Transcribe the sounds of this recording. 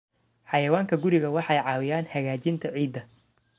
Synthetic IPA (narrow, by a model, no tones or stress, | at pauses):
ħɑjɐwaːŋkʰɐɡʊɾɪɣɐwɑħɑjʕɑːwɪjaːnħɐɣaːt͡ʃɪnt̪ʰɐʕiːd̪ːɐ